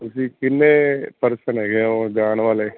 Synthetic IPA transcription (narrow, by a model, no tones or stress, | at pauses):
ʊsĩːkɪnːeːpəɾsənɦɛːɡeãoɡaːñʋaːleː